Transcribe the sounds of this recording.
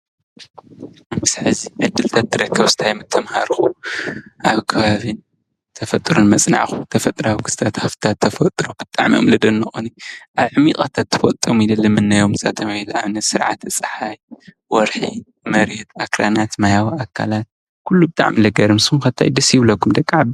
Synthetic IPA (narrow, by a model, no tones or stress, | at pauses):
mɨsʕɨziʕɨd̪ːɨlt̪ʰat̪ʰːɨɾɐkʰːɐβsɨ̥t̪ʰajmɨt̪ʰːɐmha̰ɾxu | ʔaβkʰɐβaβin | t̪ʰɐfɐt̪ʼɾonmɐt͡sʼna̰ʕxut̪ʰɐfɐt̪ʼɾawkʰɨst̪ʰat̪haft̪ʰat̪ʰːɐfɐt̪ʼɾob̥ɨt̪ʼa̰ʕmio̰mlɨd̪ɐnːɐxoniʔaβʕɨmik̪ʼat̪ʰat̪ʰːɨfɐlt̪ʼomilɨlːɨmɨnːajomɨza̰t̪ʰɐmilaβnɐsɨɾʕa̰t̪ɨt͡sʼħaj | wɔɾħi | mɐɾɛt̪akɾanat̪majawiakʰːa̰lat̪̚ | kʰulːubɨt̪ʼa̰ʕmilɐɡɐɾɨmsumxɐt̪ʰa̰jd̪ɐsjɪβlɐkːumd̪ɐkʼːaʕab